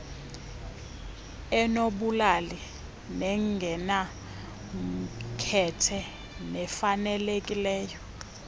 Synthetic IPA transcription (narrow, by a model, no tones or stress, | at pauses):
ɛnoɓulali | nɛŋɡʱɛna | m̩kʰɛtʰɛ | nɛfanɛlekʼilɛːjɔ